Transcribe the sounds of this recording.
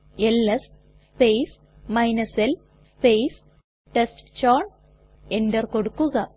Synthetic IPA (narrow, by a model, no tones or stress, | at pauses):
elːɐs | spejs | mɐjnɐsel | spejs | ʈesʈt͡ɕaːɳ | endɐrkoɽukːuɣɐ